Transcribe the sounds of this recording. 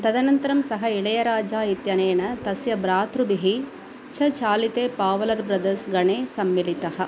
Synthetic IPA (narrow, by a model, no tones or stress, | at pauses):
t̪ɐd̪ɐnɐnt̪ɐɾɐmsɐɦɐiɭɐjɐɾaːd͡ʒaːit̪jɐneːnɐt̪ɐsjɐbɾaːt̪ɾubiɦi | t͡ʃʰɐt͡ʃaːlit̪eːpaːʋɐlɐɾbɾɐd̪ɐɾsɡɐɳeːsɐmːilit̪ɐɦɐ̆